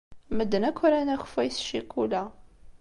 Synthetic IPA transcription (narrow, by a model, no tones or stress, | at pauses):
məd̪ːənækʷʰːɾænæxfæjsʃikːulæ